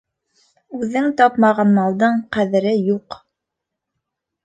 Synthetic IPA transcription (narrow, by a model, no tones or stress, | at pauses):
ʉðɘŋt̪ɑpmɑʁɑnmɑlˠd̪ɤɴqæðɘ̆ɾɘjuq